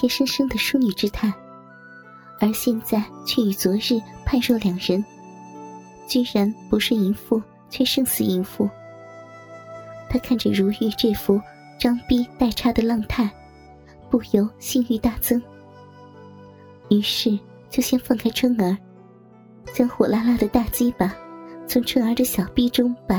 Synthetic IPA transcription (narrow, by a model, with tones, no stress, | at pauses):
jʂə˥ŋʂɤ˥ŋd̪ə˨ʂu˥ny˨˩ʈ͡ʂɻ̩˥t̪ʰa˥˩ɪ | ə˞˧˥ɕjɛ˥˧nt͡sa˥˩ɪt͡ɕʰɥɛ˥˩y˨˩t͡swɔ˧˥ɻɻ̩˥˩pʰa˥˧nʂo˥˩ʊljɑ˨˩ŋɻə˧˥n | t͡ɕy˥˩ɻa˧˥npu˧˥ʂɻ̩˥˩i˧˥nfu˥˧ | t͡ɕʰɥɛ˥˧ʂɤ˥˩ŋt͡ssɹ̩˨˩i˧˥nfu˥˩ | t̪ʰa˥kʰa˥˩nʈ͡ʂə˩ɻu˧˥y˧˩ʈ͡ʂɤ˥˩fu˥ | ʈ͡ʂɑ˥ŋpi˥t̪a˥˩ɪʈ͡ʂʰa˥d̪ə˨lɑ˥˧ŋt̪ʰa˥˧ɪ | pu˥˩jo˧˥ʊɕi˥˧ny˥˧t̪a˥˩t͡sʰɤ˥ŋ | y˧˥ʂɻ̩˥˩ | t͡ɕjo˥˩ʊɕjɛ˥nfɑ˥˧ŋkʰa˥ɪʈ͡ʂʰə˥ŋə˞˧˥ | t͡ɕjɑ˥ŋxwɔ˨˩la˥la˥˩d̪ə˨t̪a˥˩t͡ɕi˥pa˩t͡sʰʊ˧˥ŋʈ͡ʂʰwɤ˥ŋə˞˧˥d̪ə˨ɕjɑ˨˩ʊpi˥ʈ͡ʂʊ˥ŋpa˨˩